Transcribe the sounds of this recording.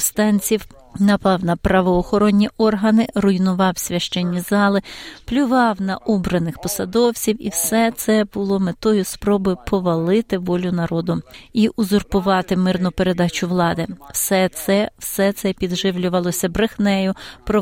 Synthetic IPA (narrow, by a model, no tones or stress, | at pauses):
st̪ɑnʲt͡sʲiw | nɐpɑwnɐpɾɐʋɔːxɔɾɔnʲːiʔɔrɦɐnɪrʊjnʊʋɑwsʲʋʲɐʃt͡ʃɛnʲːizɑlˠɪplʲʊʋɑwnɐʔɔbɾɐnɪxpɔsɐd̪ɔwt͡sʲiwḭwsɛt̪sɛbʊlˠɔmet̪ɔjʊspɾɔbɔpʰɔʋɐlˠɪt̪ɪʋɔlʲʊnɐɾɔd̪ʊiʔʊzʊrpʊʋɑt̪ɪmɪrnʊpeɾe̞d̪ɑt͡ʃʊʋlˠɑd̪ɪwsɛsɛwsɛt̪sɛpʲid̪ʒɪwlʲʊʋɐlˠɔsʲɐbɾexnɛjʊpɾɔ